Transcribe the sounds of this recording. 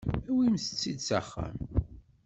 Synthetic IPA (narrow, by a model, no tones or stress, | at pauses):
æwimsə̥t͡sːid̪saχːæ̰m